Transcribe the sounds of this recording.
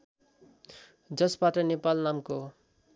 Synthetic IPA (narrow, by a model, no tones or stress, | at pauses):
d͡zʌsbaʈʌnepalnamko